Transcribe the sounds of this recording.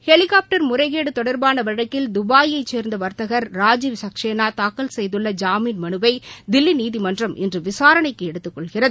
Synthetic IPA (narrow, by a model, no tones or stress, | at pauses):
hɛɭɪkaːp̚ʈɐɾmʊrɐɪɣeːɽɯt̪ɔɽɐɾbaːnɐʋɐɻɐkːɪld̪ʊbaːjɐɪt͡ʃːeːɾnd̪ɐʋɐɾt̪ɐɣɐɾːaːd͡ʒiːʋsɐkʂeːnaːt̪aːkːɐlsɛjðɯɭːɐd͡ʒaːmiːnmɐnɯbɐɪd̪ɪlːiniːðɪmɐndrɐmʔɛ̰ndrɯʋɪsaːɾɐɳɐɪkːɯɛɽɯt̪ːɯkːɔɭɣɪrɐðɯ